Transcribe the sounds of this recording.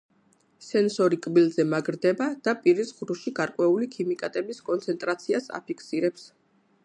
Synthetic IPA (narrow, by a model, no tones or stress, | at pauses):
sɛnsɔɾikʼbilzɛmaɡɾd̪ɛbad̪̥apʼiɾisʁɾuʃiɡaɾkʼwɛulikʰimikʼat̪ʼɛbiskʼɔnt̪sʰɛnt̪ʼɾat̪sʰiasa̰pʰikʰsiɾɛps